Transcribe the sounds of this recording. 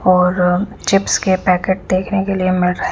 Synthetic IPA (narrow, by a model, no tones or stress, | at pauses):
ɔːɾt͡ʃɪpskepɛːkeːʈ̚d̪eːkʰnekeliemɪlɾəɦ